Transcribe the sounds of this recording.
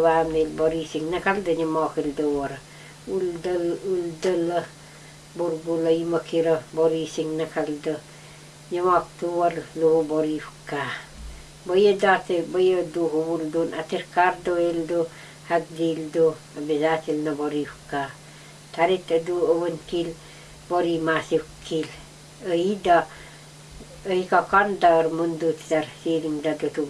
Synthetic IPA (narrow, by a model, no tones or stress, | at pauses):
waːmelboɾiːsiŋnɐkaldɐɲɐmɔːkildowɐɾɐ | uldɐuldɐlɐ | buɾɡulɐjimɐkiɾɐboɾisiŋnɐkaldɐ | ɲɐmaːk̚tuwɐlluhuboɾifkaː | bɐjedat̪ebɐjəduɦubuldunʔat̪iɾkaɾdoeldo | hak̚dildo | abizat̪ilnaboɾifka | t̪aɾit̪əduəbənkil | boɾimasiwkːil | əida | ikakandaɾmundut̪taɾsiɾiŋdadut̪u